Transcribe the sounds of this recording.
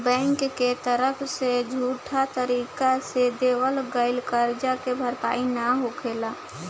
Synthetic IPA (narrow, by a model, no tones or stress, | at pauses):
bɛ̃ːŋkːet̪əɾəpʰsed͡ʒʱuːʈʰat̪əɾiːkased̪eːwəlɡəɪlkəɾd͡ʒakebʱəɾpa̰ːinəɦokʰeːla